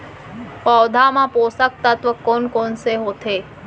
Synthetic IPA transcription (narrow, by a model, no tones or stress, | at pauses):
pɔːd̪ʱamãpoːsak̚t̪at̪ʋəkːonkoːnseɦoːt̪ʰeː